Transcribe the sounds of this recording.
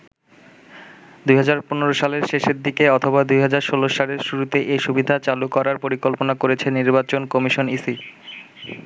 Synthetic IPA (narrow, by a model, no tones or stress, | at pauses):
d̪ujɦad͡ʑaɾponeɾoʃaleɾʃeʃeɾd̪ikeɔt̪ʰobad̪ujɦad͡ʑaɾʃoloʃaleɾʃuɾut̪eʔeʃubid̪ʱat͡ɕalukɔɾaɾpoɾikolponakoɾet͡ɕʰeniɾbat͡ɕonkɔmiʃonisi